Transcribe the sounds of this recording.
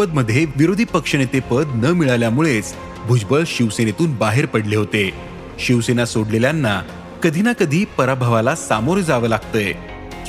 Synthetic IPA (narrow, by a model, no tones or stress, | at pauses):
əd̪̚məd̪ʱːjeʋiɾod̪ʱiːpəkʂəñet̪epəd̪nəmiɭaljamuɭet͡s | bʱud͡ʑbəɭɕiʋsenet̪uːnbaɦeɾpəɽleɦot̪e | ɕiʋsenasoɽleljanːa | kəd̪ʱiːnakəd̪ʱiːpəɾabʱəʋalasamoɾd͡zaʋəːlaɡ̚t̪əj